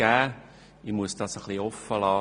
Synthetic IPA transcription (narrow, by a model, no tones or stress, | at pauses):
æː | imuəsd̥ɑsəχliɔfəlɑː